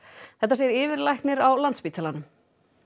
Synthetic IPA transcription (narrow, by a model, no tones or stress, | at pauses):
θɛht̪ːasjɛɾɪːvɪɾlajhknɪɾawlant̪spiːt̪alanʏm